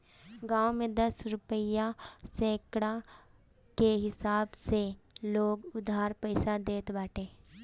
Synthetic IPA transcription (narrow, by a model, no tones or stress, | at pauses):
ɡãːwmẽd̪ɐsɾʊpəjasɛ̃ːkɽa | keɦɪsaːbseloːɡʊd̪ʱaːɾpəɪsad̪eːt̪baːʈʰeː